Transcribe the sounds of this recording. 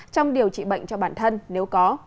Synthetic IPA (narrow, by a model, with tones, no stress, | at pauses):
t͡ɕɔ˧wŋ͡mɗi˨˩əwt͡ɕḭ˧˨ɓə̰˧˨jŋ̟t͡ɕɔ˧ɓaː˧˩nt̪ʰə˧nne˨˦wkɔ˨˦